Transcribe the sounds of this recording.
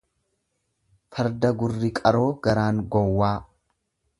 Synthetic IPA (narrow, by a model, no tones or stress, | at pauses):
fɐɾd̪ɐɡʊrːɪkʼɐɾo̞ːɡɐɾaːŋɡɔwːaː